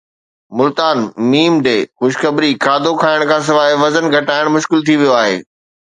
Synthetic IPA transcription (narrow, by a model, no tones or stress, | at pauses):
mʊlt̪aːnmiːmɖeːxʊʃ̬xɐbɾikaːd̪ʱokʰaːɪɽ̃kʰãːs̬ɪʋaːiʋɐzənɡʱɐʈaːɪɽ̃mʊʃkɪlt̪ʰiʋijoaːɦḛː